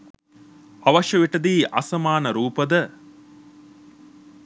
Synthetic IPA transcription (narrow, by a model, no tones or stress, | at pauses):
ɐʋɐʃjɐʋiʈɐd̪iːʔɐ̰sɐmaːnɐɾuːpɐd̪ə